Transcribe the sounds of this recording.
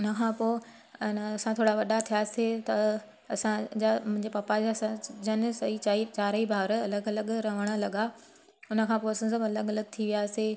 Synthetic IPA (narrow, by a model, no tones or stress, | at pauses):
ʊnə̆kʰãːpoːɪ | nɐsãt̪ʰoːɽaʋɐɗat̪ʰijaset̪ɐ | ɐsãd͡ʑamʊ̃ɦɪ̃ɲd͡ʑepaːpad͡ʑaɐsãd͡ʑɐnsɐit͡ɕait͡ɕaːɾəibʱaːɾɐləɡɐləɠɾɐʋ̤əɽ̃ə̆lɐɠa | ʊnə̆kʰãːpoːɐsɐ̃sɐbɐləɡɐləɡ̚t̪ʰiʋijaːse